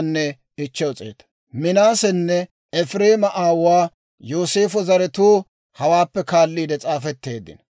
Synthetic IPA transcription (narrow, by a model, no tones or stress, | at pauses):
nːɛ | ɪt͡ʃːɛwʊt͡sʼḛːt̪ | mɪnaːsɛnːɛ | ɛfɾe̞ːmɐʔaːwwaː | joːse̞ːfɔzɐɾɛt̪uː | hɐwaːpːɛkaːlːiːd̪ɛt͡sʼaːfɛt̪ːe̞ːd̪ɪ̰n